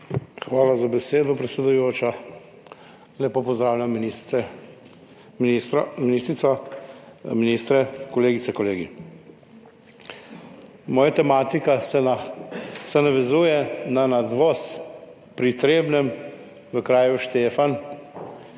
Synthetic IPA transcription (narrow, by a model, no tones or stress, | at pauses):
xʋaːlazabɛseːd̪ɔpɾɛt̪sɛd̪ujoːt͡ʃa | lɛpoːpɔzd̪ɾaːwlʲami | iminiːst̪ɾisɔ | minist̪ɾɛkɔleːɡit̪sɛkɔleːɡi | mɔːjat̪ɛmaːt̪ika | sɛnaʋɛzuːjɛnanad̪ʋɔs | pɾit̪ɾeːbnɛm | ʋəkɾaːjuʃt̪eːfan